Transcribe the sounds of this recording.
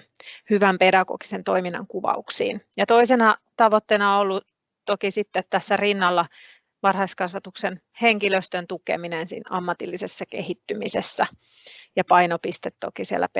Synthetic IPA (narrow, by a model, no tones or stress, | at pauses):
hyʋæmpedɑɡ̥o̰ɡ̥i̥sent̪oiminːɑ̰ŋkuʋɑ̰uksḭːnjɑt̪oisenɑt̪ɑʋot̪ːeːnɑoolːu | t̪okisit̪ːet̪t̪æsːærinːɑlːɑ | ʋɑrhɑiskɑsʋɑt̪uksen | heŋkiløst̪ønt̪ukḛminensḭːnɑmːɑt̪ilːisesːɑkehit̪ːymisesːæ | jɑpɑinopist̪et̪t̪o̰kisiḛlːæ̰